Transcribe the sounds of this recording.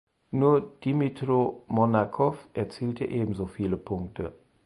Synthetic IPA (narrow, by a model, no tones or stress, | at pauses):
nuːɐd̥imitʁomɔnakʰɔfʔɛɐt͡siːltʰəʔeːbm̩zoːfiːləpʰʊŋktʰə